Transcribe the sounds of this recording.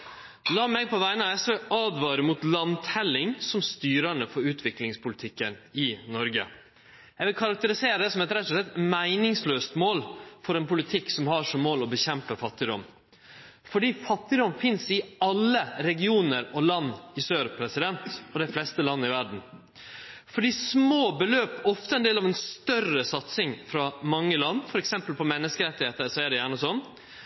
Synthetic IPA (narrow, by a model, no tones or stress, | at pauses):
lɑːmɛpʰɔʋæɪnəɑɛsəʔɑːd̪ʋɑːɾəmut̪lɑnt̪hɛlːɪŋsɔmst̪yːɾəɳəfɔɾʉːt̪ʰʋɪklɪŋspʰʊlɪt̪ʰɪkːənɪnɔɾɡə̰ | jæʋɪlkʰɑɾɑk̚t̪əɾɪseːɾəd̪ɛːsɔmɛt̪ɾɛt̪ːʊʂlɛt̪mæɪnɪŋsløːst̪moːlfɔɾɛnpʊlɪt̪ʰɪksɔmhɑʂɔmːoːlɔbəçɛmpəfɑt̪ːɪd̪ɔm | fɔɖiːfɑt̪ːɪd̪ɔmfɪnsɪɑlːəɾɛɡɪuːnəɾɔlɑnːɪsøːɾpʰɾɛsɪd̪ɛnt̪ɔd̪ɛɪflɛst̪əlɑnːəɪʋæɖɳn̩ | fɔɖiːsmoːbəløːpɔft̪əɛnd̪eːlɑʋɛnst̪œrəsɑt̪sɪŋfɾɑmɑŋːəlɑnːfɔɾɛksɛmpəlpʰɔmɛnːəskəɾɛt̪ːɪheːt̪əsɔæɖɛjæːɳəsɔnː